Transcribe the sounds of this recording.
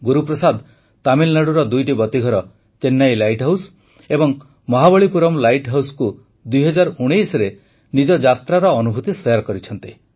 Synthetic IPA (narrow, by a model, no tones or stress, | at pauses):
ɡuɾupɾɔsad̪ | t̪amilnaɽuɾɔd̪ujʈibɔt̪iɡʱɔɾɔ | t͡ʃenːajlajʈɦaws | ebɔŋ | mɔɦabɔɭipuɾɔmlajʈɦawsku | d̪ujɦɔd͡ʒaɾuɽ̃ejsɾe | nid͡ʒɔd͡ʒat̪ɾaɾɔːnubʱut̪isejaɾkɔɾit͡ʃʰɔnt̪i